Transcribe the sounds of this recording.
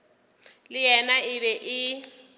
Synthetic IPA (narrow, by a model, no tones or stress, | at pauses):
lɪjɛnaɪβɛʔɪ